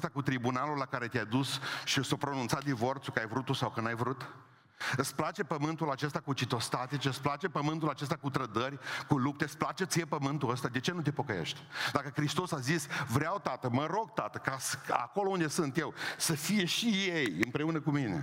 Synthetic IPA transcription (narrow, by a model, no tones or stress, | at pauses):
st̪akut̪ɾibunalulːakaɾe̞t̪jad̪usʃiɨsopɾo̞nunt̪sat̪̚d̪ivo̞rt̪sukəajvɾut̪ːusawkənajvɾut̪ | ɨt̪splat͡ʃe̞pəmɨnt̪ulat͡ʃe̞st̪akut͡ʃit̪o̞st̪at̪it͡ʃeɨt̪splat͡ʃepəmɨnt̪ulat͡ʃe̞s̬t̪akut̪ɾəd̪ərʲkulup̚t̪eɨsplat͡ʃet̪sjepəmɨnt̪uəst̪ad̪e̞t͡ʃe̞nut̪e̞po̞kəjḛʃt̪ʲd̪akəkɾist̪o̞sazisvɾeawt̪at̪əməɾo̞ɡ̚t̪at̪əkasa̰ko̞lound̪esɨnt̪je̞wsəfije̞ʃijejɨmpɾe̞unəkumine̞̰